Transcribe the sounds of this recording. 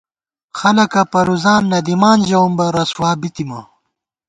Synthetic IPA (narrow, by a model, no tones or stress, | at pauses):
xɐnɐkɐpɐɾuzaːnːɐd̪imaːnʑɐumbɐɾɐswaːbit̪imɐ